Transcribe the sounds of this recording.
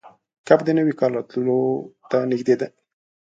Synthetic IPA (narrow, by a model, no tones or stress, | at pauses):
kabd̪ənəwikɑlɑt̪lot̪anɪxd̪ed̪a